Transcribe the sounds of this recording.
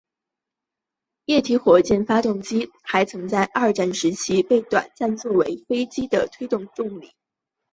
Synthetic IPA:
jɛ˥˩t̪ʰi˧˥xwɔ˨˩t͡ɕjɛ˥˩nfa˥t̪ʊ˥˩ŋt͡ɕi˥xa˧˥ɪt͡sʰɤ˧˥ŋt͡sa˥˧ɪʔɐ˞˥˧ʈ͡ʂa˥˩nʂɻ̩˧˥t͡ɕʰi˥pe˥˩ɪt̪wa̰˨˩nt͡sa˥˧nt͡swɔ˥˩we˧˥ɪfe˥ɪt͡ɕi˥d̪ə˨t̪ʰwe˥ɪt̪ʊ˥˧ŋʈ͡ʂ̪ʊ˥˧˩ŋli˨˩˦

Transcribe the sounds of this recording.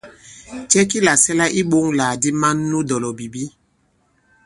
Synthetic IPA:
t͡ʃɛ˦ki˦la˨sɛ˦la˦ʔi˦ɓo˦ŋla˨di˦ma˦nːu˦dɔ˨lɔ˨bi˨bi˦

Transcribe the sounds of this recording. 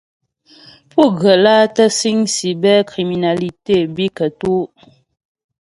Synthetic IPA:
pu˦˨ɣə˨la˦tə˦si˦ŋsi˨bɛ˦kɾi˨mi˨na˨li˨te˦˨bi˦kə˨tu˦

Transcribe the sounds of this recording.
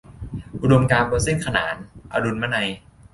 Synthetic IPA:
ʔu˧do˧mkaː˧nbɔː˧se˥˩nkʰa˧na̰ː˩˦nʔa̰˧du˧nmaː˦˥˩na˧j

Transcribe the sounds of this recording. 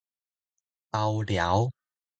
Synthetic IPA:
ʔɐ˧wlja˨˩˥w

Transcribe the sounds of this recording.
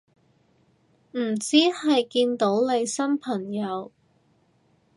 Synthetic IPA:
m̩˨˩t͡siː˥hɐ˨jkiː˧nt̪o˨˥wle˨˧jsɐ˥mpʰɐ˨˩ŋjɐ˨˧w

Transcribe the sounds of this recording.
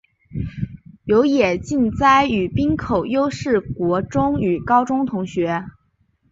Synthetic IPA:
jo˧˥ʊjɛ˨˩t͡ɕi˥˩nt͡sa˥˩ɪy˨˩pi˥nkʰo˨˩ʊjo˥ʊʂɻ̩˥˩kwɔ˧˥ʈ͡ʂʊ˥ŋy˨˩kɑ˥ʊʈ͡ʂʊ˥ŋt̪ʰʊ˧˥ŋɕɥɛ˧˥

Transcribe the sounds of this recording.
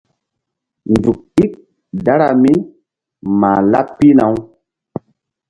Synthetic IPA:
ndu˨k̚i˦k̚ | da˦ɾa˨mi˦ | ma̰˨la̰˦pːi˦na˨˦w

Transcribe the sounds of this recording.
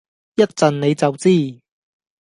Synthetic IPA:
jɐ˥t̚t͡sɐ˨nne˨˧jt͡sɐ˨wt͡siː˥˩

